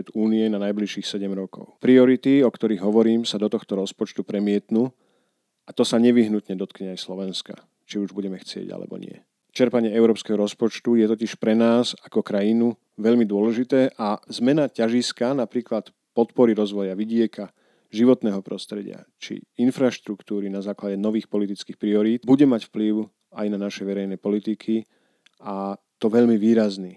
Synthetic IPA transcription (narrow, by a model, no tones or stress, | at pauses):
ɛd̪uːniɛnanajbliʃiːxsɛɟɛmɾɔkɔ̰ʊpɾiɔɾit̪iɔkt̪ɔɾiːɣɦɔʋɔɾiːmsad̪ɔt̪ɔxt̪ɔɾɔspɔt͡ʃt̪upɾɛmɪɛt̪nuː | at̪ɔsaɲɛʋiɦnut̪ɲɛd̪ɔt̪kɲɛajslɔʋɛnska̰ | t͡ʃiuʒbuɟɛmɛxt͡sɪɛ̰ɟa̰lɛ̰bɔ̰ɲɪ̰ɛ̰ | t͡ʃɛɾpaɲɪɛɛʊɾɔːpskɛːɦɔɾɔspɔt͡ʃt̪ujɛt̪ɔciʃpɾɛnaːzakɔkɾajinu | ʋɛʎmid̪ʊɔlɛʒit̪ɛːʔazmɛnacaʒiskanapɾiːklat̪ | pɔt̪pɔɾiɾɔzʋɔjaʋiɟɪɛka | ʒiʋɔt̪nɛːɦɔpɾɔst̪ɾɛɟɪ̰a̰t͡ʃḭinfɾaʃt̪ɾukt̪uːɾinazaːklaɟɛnɔʋiːxpɔlit̪it͡skiːxpɾiɔɾiːt̪̚buɟɛmacfpliʊ | ajnanaʃɛʋɛɾɛjnɛːpɔlit̪ikʰi | at̪ɔʋɛʎmiʋiːɾazniː